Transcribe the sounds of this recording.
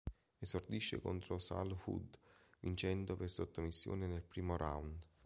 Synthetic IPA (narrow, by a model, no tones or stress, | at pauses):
ezord̪iʃːḛko̰nt̪ɾosa̰lhṵd̪vint͡ʃɛnd̪opersot̪ːomisːjo̰ːnenelpɾiːmoɾa̰wnd̪